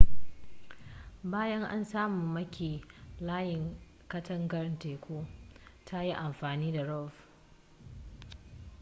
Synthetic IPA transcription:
baː˦jɐ˦ŋʔa̰˦nsaː˦muː˨mɐ˦kʲiː˨laː˦jɪ˨ŋ | kɐ˦tʰɐ˦ŋɡɐ˦rnteː˨kʷoː˦tʰa˦ji˦ʔa˨mɸaː˨niː˦da˨ɽɔ˦˨f

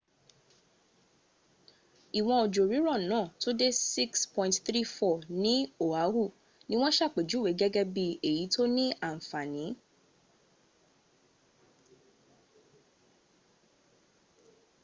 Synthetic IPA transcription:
i˨w̃ɔ̃˧o˨d͡ʒo˨ɾi˨˦ɾɔ˦˨nãː˨˦˨to˦de˦si˦kspɔ̃˧˨ĩ˨tθɾi˦fɔ˦˨nĩ˨˦o˨a˨˦hu˦˨ | nĩ˦w̃ɔ̃˦ʃa˦˨k͡pe˨d͡ʒu˨˦we˨˦ɡɛ˦ɡɛ˦bi˧e˨ji˨˦tʰo˦nĩ˦a˦˨fa˨nĩ˨˦

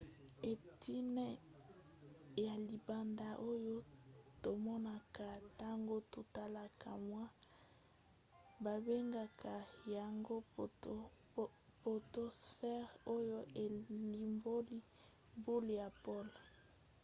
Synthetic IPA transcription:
e˨tʰi˦nɛ˦ | ja˨li˨ba˨nda˦ʔo˦jo˦to˨mɔ˦na˨ka˨ta˦ŋɡo˦to˨ta˦la˨kʰa˨mwa˦ | ba˨be˦ŋɡa˨kʰa˨ja˨ŋɡo˦ | po˨to˦sfɛ˦ʁo˦jo˦e˨li˨mbo˦li˦ | bu˦lja˨po˦l

